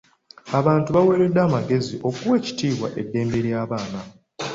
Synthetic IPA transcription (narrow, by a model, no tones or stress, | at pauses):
aβaːntuβawe̞ːɾe̞dːaːmaɡe̞ziʔo̞kuwe̞ːci̥tiːβwa̰ʔe̞dːe̞ːmbe̞ɾjaːβaːna